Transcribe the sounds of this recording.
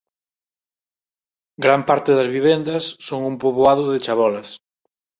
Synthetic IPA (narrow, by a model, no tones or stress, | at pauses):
ɡɾampaɾt̪ɪðɐzβiβend̪ɐsːoŋumpoβoaðʊðet͡ʃaβɔlɐs